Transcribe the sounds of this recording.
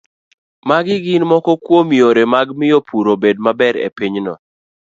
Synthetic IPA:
maɡɪɡɪnmɔkɔkwomioɾemaɡmɪjopʰuɾobed̚mabɛɾḛpiɲnɔ̰

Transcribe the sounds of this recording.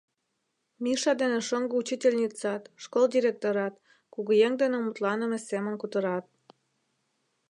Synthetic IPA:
miʃɑd̪enĕʃoŋɡout͡ɕitʲelʲnʲit͡sɑt̪ʃkold̪ʲiɾʲek̚t̪oɾɑt̪̚ | kuɣujeŋd̪enĕmut̪lɑnə̆mĕsemə̆nkut̪ə̆ɾɑt̪̚

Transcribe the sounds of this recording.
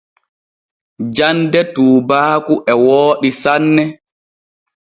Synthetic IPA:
d͡ʒandɛtuːbaːkuʔɛwoːɗisanːɛ

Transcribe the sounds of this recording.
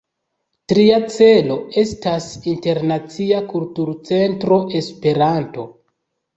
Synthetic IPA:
tɾiat͡se̞lo̞e̞stasinte̞ɾnat͡siakultuɾt͡se̞ntɾo̞ʔe̞spe̞ɾanto̞

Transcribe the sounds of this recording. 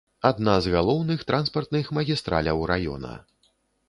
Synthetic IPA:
ad̪nazɣalˠɔwnɨxt̪ɾʔanspɐrt̪nɨxmɐɣʲist̪ɾa̰lʲɐwɾajɔ̰nɐ̰

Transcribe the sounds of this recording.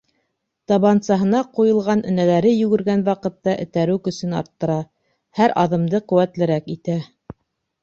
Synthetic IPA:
t̪ɑβɑnsɑɦɤ̆nɑqujɤ̆lˠʁɑnʔɘ̆nælæɾɘjʉɡɵ̆ɾɡænwɑqɤ̆t̪ːɑʔɘ̰̆t̪æɾʉkɵ̆sɘnɑ̰ɾt̪ːɤ̆ɾɑ | hæɾʔɑðɤ̆md̪ɤqʉ̆wæt̪lɘ̆ɾækit̪æ

